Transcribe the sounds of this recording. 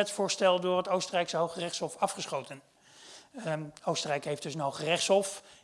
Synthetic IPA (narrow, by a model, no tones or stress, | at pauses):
ɛtfʊːɹstɛlˠdʊːɹɦətowstərɛjksəɦowχərɛχshɔfɑfχəsχowtən | owstərɛjkɦejfd̥ɵsənɦowχərɛχtsɔf